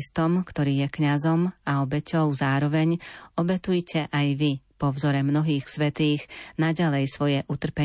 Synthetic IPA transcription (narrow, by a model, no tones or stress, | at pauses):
st̪ɔmkt̪ɔɾiːjɛkɲazɔmaɔbɛcɔʊzaːɾɔʋɛɲɔbɛt̪ujcʰɛʔajʋipɔʊzɔɾɛmnɔɦiːxsʋɛt̪iːɣnaɟalɛjsʋɔjɛʔut̪r̩pɛ